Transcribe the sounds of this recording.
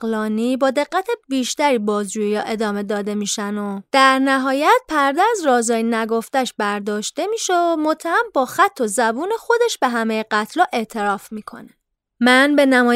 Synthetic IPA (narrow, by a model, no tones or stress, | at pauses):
lɒːniːbɒːd̪e̞ɢːæt̪ʰe̞biːʃt̪æɾiːbɒːzd͡ʒuːjijɒ̰ːʔe̞d̪ɒːme̞d̪ɒːd̪e̞miːʃænod̪̥æɾnæɦɒːjæt̪̚pʰæɾd̪ææzɾɒːzɒːjinæɡo̞ft̪æʃbæɾd̪ɒːʃt̪e̞miːʃeomo̞t̪ʰːæhæmbɒːxæt̪ʰːo̞zæbuːne̞xo̞d̪e̞ʃbe̞ɦæmejeɢæt̪ʰlɒːʔe̞ʔt̪ʰe̞ɾɒːfmiːkʰo̞̰ne | mænbe̞næmɒː